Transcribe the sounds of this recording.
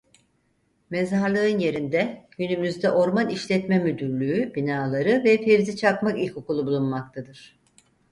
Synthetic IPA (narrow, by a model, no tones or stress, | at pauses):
mɛzaɾlˠɯɯnje̞ɾind̪ɛɟ̥ynymyzd̪ɛʔo̞ɾmaniʃlʲɛt̪mɛmyd̪yɾlʲyyb̥inaːlˠaɾɯvɛfeɾzit͡ʃʰakmakilʲcokulˠubulˠunmak̚t̪ʰad̪ɯɾ̥